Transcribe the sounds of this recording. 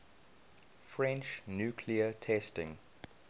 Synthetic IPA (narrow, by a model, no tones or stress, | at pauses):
fɹɛ̃nt͡ʃnjuːkʰliətʰɛstɪ̰̃ŋ